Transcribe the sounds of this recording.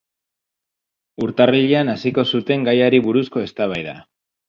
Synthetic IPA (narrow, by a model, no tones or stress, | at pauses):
uɾt̪ariʎianasiko̞sut̪e̞ŋɡajaɾiβuɾusko̞e̞st̪aβ̞ajða̰